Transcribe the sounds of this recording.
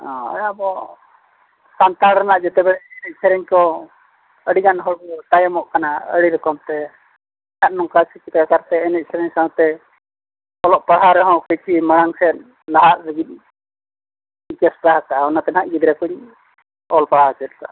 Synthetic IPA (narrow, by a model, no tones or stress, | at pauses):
ɔ̃ɛ̰jabɔ | sant̪aɽɾɛnaʔd͡ʒɛt̪ɛbɛɽɛɛnɛc̚sʰɛɾɛɲkɔ | əɽiɡanɦɔɽt̪ajɔmɔʔkanaə̰ɽiɾɔkɔmt̪ɛ | hat̪̚nɔŋkat͡ʃʰikit̪kakaɾt̪ɛɛnɛc̚ˀsʰɛɾɛɲsaɦɔ̃t̪ɛ | ɔlɔʔpaɽ̤aɾɛɦɔ̃kɔjt͡ʃʰiməɽ̃aŋsɛt̪̚ | laɦaʔ̪̚səɡit̪̚ | ikɛspaɦakaɔnat̪ɛnaʔ̪̚ɡid̪ɾɛkuɲ | ɔlpaɽ̤at͡ʃɛt̪̚ka̰